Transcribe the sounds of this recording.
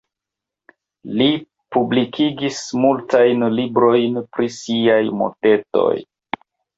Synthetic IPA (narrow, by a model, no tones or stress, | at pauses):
li | publikʰiɡismultajnlibɾo̞jnpɾisiajmo̰te̞to̞̰j